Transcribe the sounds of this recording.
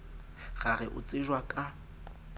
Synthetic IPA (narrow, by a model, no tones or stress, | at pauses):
ɣaɣɛʔʊ̰t͡sʼɪʒwakʼa